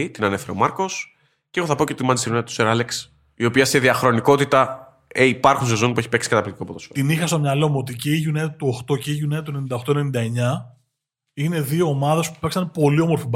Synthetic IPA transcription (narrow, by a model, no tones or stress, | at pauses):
it̪inɐne̞feɾemɐɾko̞s | ceɣoθɐpo̞cet̪imɐnd̪siɾunet̪t̪u̥seɾɐleks | io̞piɐseðiɐxɾo̞niko̞t̪it̪ɐ | eipɐɾxunsezo̞nipue̞çipeksi̥kɐt̪ɐplit̪iko̞poðosot̪inixɐst̪o̞mɲɐlo̞muo̞t̪iceiʝunet̪uo̞xt̪o̞ceiʝuneɐt̪uenenind̪ɐo̞xt̪o̞enenind̪ɐe̞ɲɐ | ine̞ðio̞ːmɐðɐspupɐksɐnpo̞lio̞mo̞ɾfib